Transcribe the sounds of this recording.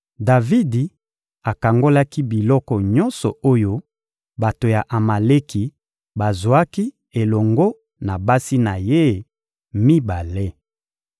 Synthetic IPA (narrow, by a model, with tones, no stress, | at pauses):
da˨vi˦di˨ | a˨ka˨ŋɡo˦la˦ki˦bi˨lɔ˦kɔ˨ɲɔ˦nsɔ̰˨o˦jo˦ | ba˨to˨ja˨ʔa˨ma˨le˦ki˨ | ba˨zo˨a˦ki˦ | e˨lɔ˨ŋɡo˦ | na˨ba˦si˦na˨je˦ | mi˦ba˨le˦